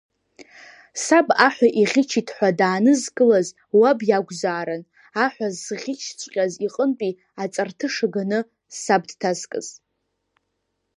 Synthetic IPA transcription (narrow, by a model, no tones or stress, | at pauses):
sabaħᶣʷaʔiʁʲɪt͡ʃʰitʰħʷadaːnɨzkʼɨlaz | wabjaɡʷzaːɾan | aħʷᶣazːʁʲɪt͡ʃʰt͡ʃʷʼqʲʼaziqʼəntʼi | at͡sʼartʰɨʂaɡanɨ | sab̚dtʰazkʼɨ̰z̥